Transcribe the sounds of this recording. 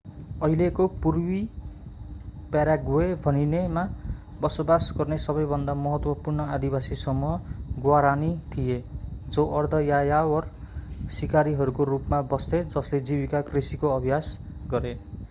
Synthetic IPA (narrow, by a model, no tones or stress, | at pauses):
ʌɦilekopurwi | pjaɾjaɡoebʱʌninema | bʌsobasɡʌrnesʌβʌjbʱʌnd̪amʌɦʌt̪wʌpurnʌad̪ibasisʌmːuʌɡwaɾanit̪ʰijed͡zʌʔʌrd̪ʱʌjajawʌr | sikaɾiɦʌɾukorupmabʌst̪ed͡zʌsled͡zibikakrisikoʌbʱjas | ɡʌɾe